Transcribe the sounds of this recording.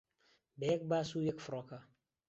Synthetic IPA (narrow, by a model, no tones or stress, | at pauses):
bɛk̚baːsujəkfɾɔka